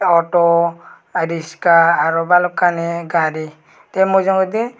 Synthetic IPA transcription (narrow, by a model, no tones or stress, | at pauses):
ɔʈɔ | ɾiskaːɾɔbalɔkanɛɡaɾi | t̪ɛmɔzɔŋɡɔd̪i